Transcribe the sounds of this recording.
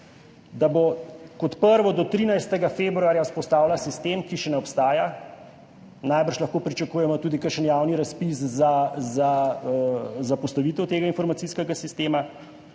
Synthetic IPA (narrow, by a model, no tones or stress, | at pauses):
d̪abokɔt̪pəɾʋɔd̪ɔt̪ɾiːnajst̪ɛɡafeːbɾuaːɾjaspɔst̪aːwlasist̪eːmkiʃɛnɛɔpst̪aːja | najbəɾʃlaɐxkoːpɾit͡ʃakuːjɛmɔt̪uːd̪ikəɾʃənjawniɾaspiszaza | zapɔst̪ɐʋiːt̪ɛwt̪eːɡainfɔɾmat̪iːskɛɡasist̪eːma